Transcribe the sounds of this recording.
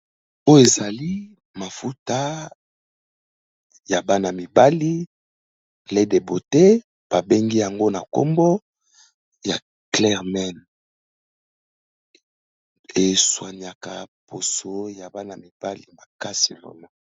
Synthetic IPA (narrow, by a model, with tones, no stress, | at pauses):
o˦je˨za˨li˦ | ma˨fu˦ta˦ | ja˨ba˦na˨mi˨ba˦li˦ | le˦de˨bo˨te˦ | b̥a˨be˦ŋɡi˦ja˨ŋɡo˦na˨ko̰˦mbɔ˦ | ja˨ | klɛ˦ʁmɛ˦˨n | e˨swa˨ni˨a˨ka˨pʰo˨so˨ja˨ba˦na˨mi˨b̥a˦li˨ma˨ka˦si˨lo̰˨nɔ˨˦